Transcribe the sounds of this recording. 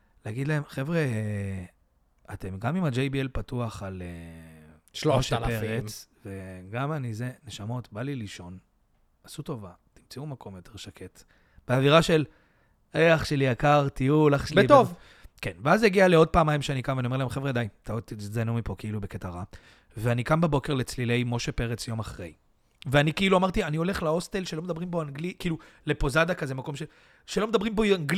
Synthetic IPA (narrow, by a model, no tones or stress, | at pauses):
leaɡid̪lae̞mχe̞vʁe | ate̞mɡamimad͡ʒejbielpatuaχale | ʃloʃleʁet͡sve̞ɡamanize̞ne̞ʃamo̞tbaliliʃo̞n | asuto̞va | timt͡siumakʰo̞mjo̞tʰe̞ʁʃakʰe̞t | b̥eaviʁaʃe̞l | eaχʃelijakaʁt̪ijulaχʃelbeit̪ov | kenveazjeɡialeod̚paːmajmʃeanikamvaniomelaemχevʁead̪ajmt̪at̪idanumipo̞keilubeket̪aʁa | veanikambebo̞ke̞ʁlet͡slile̞jmo̞ʃepe̞ʁet͡sjo̞maχʁḛj | veanikeiluamaʁt̪ianio̞le̞χlao̞st̪elʃelo̞med̪abʁimbo̞aŋɡlikiːlule̞pozad̪akaze̞mako̞mʃe | ʃelo̞med̪abʁimboaŋɡl